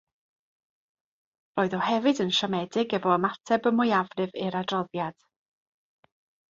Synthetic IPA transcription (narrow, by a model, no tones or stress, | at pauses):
roːɨðɔhɛvɨdənʃɔmɛdɪɡɛvɔəmatʰɛbəmʊjavrɨvɪɾadrɔðjad̥